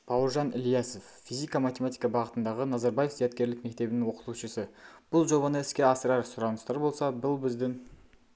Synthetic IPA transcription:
bʰɑwəɾʒɑnɪljɑse̞f | fizijkamat̪ʲe̞mat̪ijkɑbɑʁət̪ənd̪ɑʁənɑzɑɾbaje̞fzijɑt̪kʲe̞ɾlɪk̚me̞k̚t̪e̞bɪnɪŋwo̞qə̥t̪uʃəsəb̥ʊlˠʒo̞bɑnəɪskʲe̞ɑsəɾɑɾsʊɾɑnəst̪ɑɾbo̞lˠsɑbʊlˠbɪzd̪ɪŋ

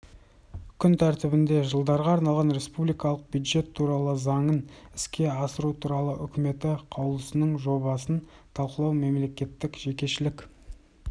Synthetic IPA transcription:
kʲʰʏnt̪ʰæɾt̪ɪbɪnd̪e̞ʒəlˠd̪ɑɾʁɑːɾnɑlˠʁɑnɾe̞spublijkɑlˠəq̚bjud̪ʒe̞t̪ʰːuɾɑlˠəzɑɴənɪ̥skʲe̞ɑsəɾut̪ʰuɾɑlˠəʔʏkʲɪme̞t̪ɪqʰɑwlˠəsənəɴʒo̞βɑsənt̪ʰɑlˠqəlˠɑwme̞mle̞kʲe̞t̪ːɪkʒe̞kʲe̞ʃɪlɪkʲ

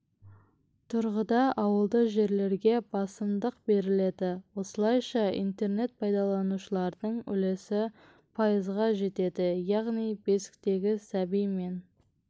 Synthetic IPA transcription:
t̪ʰʊɾʁəd̪ɑʔɑwəlˠd̪əʒe̞ɾle̞ɾɡʲe̞bɑsəmd̪əqbe̞ɾɪle̞d̪ɪwo̞səlˠɑjʃɑḭnt̪e̞rne̞t̪̚pʰɑjd̪ɑlˠɑnuʃəlˠɑɾd̪əɴʏ̰lesɪ | pʰɑjəzʁɑʒe̞t̪e̞d̪ɪjɑʁnijbe̞sɪ̥k̚t̪e̞ɡʲɪsæbijme̞n

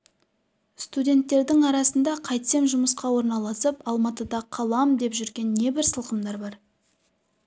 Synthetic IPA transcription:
st̪udʲe̞nt̪ːe̞ɾd̪ɪŋɑɾɑsənd̪ɑqʰɑjt̪se̞mʒʊməsqɑwo̞ɾnɑlˠɑsəpɑlˠmɑt̪əd̪ɑqʰɑlˠɑmd̪e̞pʒʏɾɡʲe̞nːe̞bɪɾsəlˠqəmd̪ɑɾbɑɾ

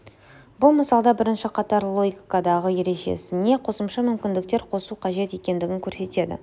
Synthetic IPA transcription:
bʊlˠməsɑlˠd̪ɑbɪɾɪnʃɪqʰɑt̪ɑɾlˠo̞ɡʲkːad̪ɑʁəje̞ɾe̞ʒe̞̰sɪne̞qʰo̞səmʃɑmʏmkʲɪnd̪ɪk̚t̪e̞ɾqʰo̞suqʰɑʒe̞t̪e̞kʲe̞nd̪ɪɡʲɪŋkʲʰɵɾse̞t̪e̞d̪ɪ̰

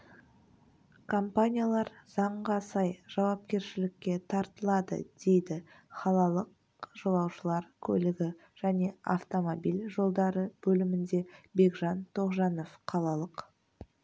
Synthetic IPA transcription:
kʰo̞mpanʲijalˠɑɾz̥ɑɴʁɑsɑjʒ̥ɑwɑp̚kʲe̞ɾʃɪlɪkʲːe̞t̪ʰɑɾt̪əlˠɑd̪ə̰d̪̥e̞jd̪ɪ | χɑlˠɑlˠəq̚ | ʒ̥o̞lˠɑwʃəlˠɑɾkʲʰɵ̰lɪɡʲɪ | ʒ̥æne̞a̰ft̪o̞mobilʲʒo̞lˠd̪ɑɾəb̥ɵlɪmɪnd̪e̞be̞ɡʒɑnt̪ʰo̞ʁʒɑno̞fqʰɑlˠɑlˠəq

